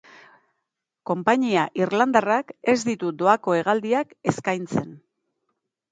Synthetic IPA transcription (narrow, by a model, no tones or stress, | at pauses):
ko̞mpaɲiaʔirland̪arake̞zd̪it̪ud̪o̞ako̞e̞ɣald̪iake̞skajnt͡se̞n